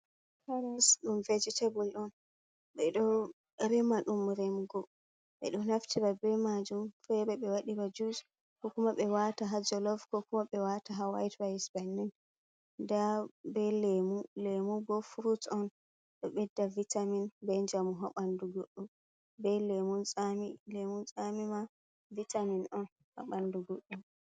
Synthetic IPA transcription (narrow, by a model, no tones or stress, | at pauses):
kaɾasɗumved͡ʒitʰebulɗɔn | ɓɛɗɔ | ɾɛmaɗumɾɛmɡɔ | ɓɛ̰ɗɔnaftʰiɾabɛmad͡ʒumfɛbɛɓɛwaɗibad͡ʒud͡ʒ | kɔkumaɓɛwataɦad͡ʒɔlɔvkɔkumaɓɛwataɦawa̰jtwaisbanːin | ndabɛlemulemubɔfuɾutɔn | ɗɔɓɛdːavitaminbɛnd͡ʒamuɦaɓanduɡoɗːum | bɛlemunt͡sʼamilemunsʼamima | vitaminɔn | ha̰ɓanduɡoɗːum